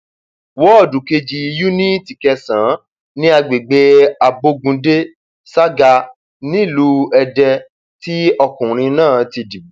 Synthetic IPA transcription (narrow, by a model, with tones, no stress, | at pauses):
wɔ˨˦ɔ˦˨du˨ke˧d͡ʒi˧ju˦nĩ˦ti˨kɛ˧sã˨˦ | nĩ˦a˧ɡ͡be˨ɡ͡be˧a˨bo˧ɡũ˧de˦ | sa˦ɡa˧ | nĩ˦i˦˨lu˦ɛ˧dɛ˧ | ti˦ɔ˧kũ˨ɾ̃ĩ˧nãː˦˨ti˧di˨˦